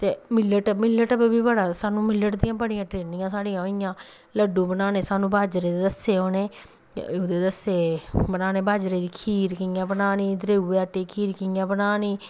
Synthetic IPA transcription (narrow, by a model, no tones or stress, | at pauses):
t̪eːmɪlːəʈəmɪlːəʈəbbiːbəɽaːsaːnũːmɪlːəʈd̪iːãːpəɽɪ̃jãːʈɾeːnɪjãːsaːɽijãːõːɪjãː | ləɖũːbənaːneːsaːnũːbʱaːd͡ʒɾeːd̪eːd̪əseːɦoːnḛː | ʊd̪eːd̪əseːbənaːneːbaːd͡ʒɾeːd̪iːkʰiːɾkɪjãːbənaːniːd̪ɾeːuːɛːʈːeːkʰiːɾkɪjãːbənaːniː